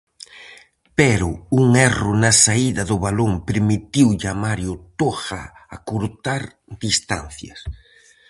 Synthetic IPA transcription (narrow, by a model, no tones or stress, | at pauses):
pɛɾʊuŋɛrʊnɐsaiðɐðʊβaloŋpeɾmit̪iwʎamaɾjʊt̪oxɐ̰a̰kuɾt̪aɾ | d̪ist̪a̰n̟θjɐ̰s